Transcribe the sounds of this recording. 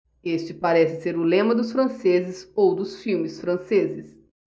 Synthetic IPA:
est͡ʃɪpaɾɛsɪ̥seɾʊlẽmɐd̪ʊsfɾɐ̃sezɪsowd̪ʊsfiwmɪsfɾɐ̃sezɪs

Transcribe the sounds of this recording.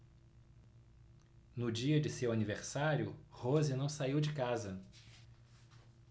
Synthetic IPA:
nʊd͡ʒiɐd͡ʒɪsewaniveɾsaɾjʊhozɪnɐ̃w̃saiwd͡ʒɪkazɐ

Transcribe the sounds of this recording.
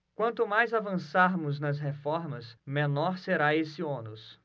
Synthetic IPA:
kwɐ̃nt̪ʊmajzavɐ̃saɾmʊznɐsɦefɔɾmɐsmẽnɔɾseɾaesiõnʊs

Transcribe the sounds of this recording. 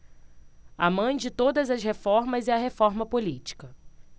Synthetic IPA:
ɐ̰mɐ̃j̃d͡ʒɪt̪od̪ɐzɐshefɔɾmɐziɐɦefɔɾmɐpolit͡ʃi̥kɐ

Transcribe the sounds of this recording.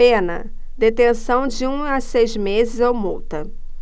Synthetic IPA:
ẽnɐ̰ | d̪et̪ẽsɐ̃w̃d͡ʒɪũasejzmezɪzowmuwt̪ɐ

